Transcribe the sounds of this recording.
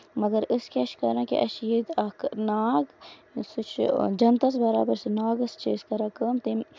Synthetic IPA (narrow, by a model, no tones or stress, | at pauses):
mɐɡɐɾɪskeɐʃkɐɾãːkḭʔɐʃjid̪ɐknaːɡsut͡ʃʰd͡ʒɐnt̪ɐsbɐɾaːbɐɾsɨnaːɡɨst͡ʃʰiskɐɾɐkɐmt̪im